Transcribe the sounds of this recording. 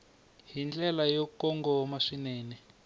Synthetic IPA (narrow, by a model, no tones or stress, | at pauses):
ɦind͡ɮʼɛlajɔkɔŋɡɔmaʂinɛːnɛ